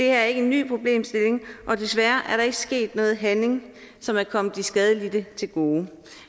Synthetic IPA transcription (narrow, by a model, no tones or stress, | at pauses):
d̥e̝hæɐæɐe̝ɡ̥əe̝nːy̰ːpʰʁo̝b̥le̝̰ːmsd̥e̝le̝ŋʔɒ̽d̥e̝sʋæɐʔæɐɾɑ̈e̝ɡ̥əsɡ̥e̝̰ːd̥með̩ˠɦæne̝ŋ | sɒ̽mæɐkʰɒ̽m̰ð̩isɡ̥ɛð̞ˠəlid̥ət͡sʰe̝lɡ̥o̝ː